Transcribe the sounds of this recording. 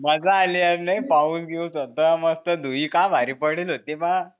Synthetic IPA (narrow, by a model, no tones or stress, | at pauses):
mad͡zaːliəɾnajpausɡeusət̪əaməst̪əd̪ʱuikaʋaɾipəɽilot̪eʋa